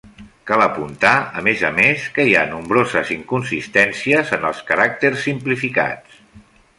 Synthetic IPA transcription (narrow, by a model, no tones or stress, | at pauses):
kaləpunt̪aəmezəmeskəia̰numbɾozəziŋkunsist̪ɛnsiəzənəlˠskəɾak̚t̪əɾsːimplifika̰t͡s